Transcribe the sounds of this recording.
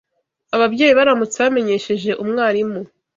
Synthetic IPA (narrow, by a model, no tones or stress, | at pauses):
aβabɟe̞ːjiβaɾamut͡seβame̞ɲe̞ʃe̞ʒe̞ʔumŋaːɾimu